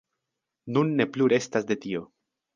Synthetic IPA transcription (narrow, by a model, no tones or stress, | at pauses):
nunːe̞pluɾe̞stasde̞tio̞